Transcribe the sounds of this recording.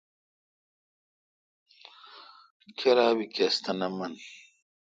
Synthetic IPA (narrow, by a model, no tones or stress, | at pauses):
kʰeɾaːwikest̪ɐnɐmɐn